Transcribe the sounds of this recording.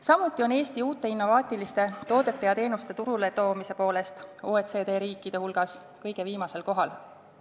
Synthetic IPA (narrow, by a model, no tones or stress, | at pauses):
sɑmut̪ːˑio̞ne̞ːst̪iuːt̪ːˑe̞inːo̞vɑːt̪ˑilist̪e̞t̪o̞ːd̪e̞t̪ːˑejɑt̪e̞ːnust̪e̞t̪uɾule̞t̪o̞ːmise̞po̞ːle̞st̪oet̪se̞ːd̪e̞ːɾiːkːˑid̪̥e̞hulɡ̥ɑs | kɤjɡ̥e̞viːmɑse̞lko̞ɦɑl